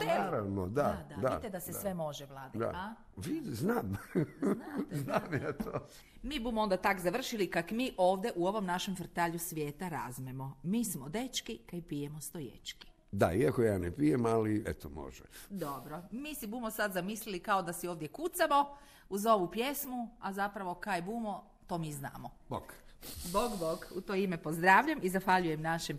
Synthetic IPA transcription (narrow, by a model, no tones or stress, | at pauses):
t̪eaɾaʋnod̪ad̪ad̪at̪ed̪asesʋemo̞ʒeʋlˠaːd̪id̪a̰a | ʋiznaːm | aznaːmjat̪ʰoː | miːbumoo̞nd̪at̪akzaʋr̩ʃilikakmiːʔo̞ːʋd̪je̞ʔuo̞ʋo̞mnaʃe̞mfr̩t̪aːʎusʋʲjeːt̪aɾazmemomiːsmod̪e̞t͡ʃkikaipijemost̪o̞jḛt͡ʃki̥ | d̪a̰iakojaːnepijemaliḛt̪omo̰ʒɛ̰d̪o̞bɾomiːsibumosad̪zamislilikao̞d̪asioːʋd̪je̞kut̪samo̞ | uzo̞ʋupje̞smuazapɾaʋo̞kajebuːmo̞ | t̪o̞ːmiːzna̰ːmo | boɡ̥boɡboɡut̪oimepozd̪ɾaːʋʎamizaxʋaʎujemnaʃem